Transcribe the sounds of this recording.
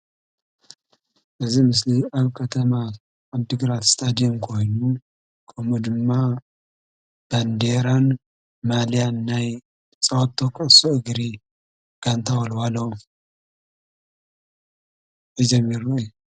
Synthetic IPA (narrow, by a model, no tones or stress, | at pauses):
ʔɨzimɨs̬liaβkʰɐt̪ʰɐmaː | βd̪ɨɡɾat̪st̪ʰad̪ijomkʰo̞jnu | kʰɐmud̪ɨmːa | b̥and̪eɾan | malijanːaj | t͡sʼɐwot̪ʰːokʰʼɨʔsoʔɨɡɾi | ɡ̥ant̪ʰawɐlwalːɐwu | jɛd͡ʒɛmːiɾuju